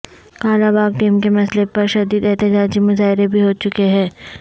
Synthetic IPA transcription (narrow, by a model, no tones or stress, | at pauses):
kaːɾabaːɡ̚ʈiːmkemɐslepɐɾʃɐd̪iːd̪ɛɦt̪ɪd͡ʒaːd͡ʒimʊzaːɪɾebʱiɦoːt͡ʃʊkeɦɛ̃ː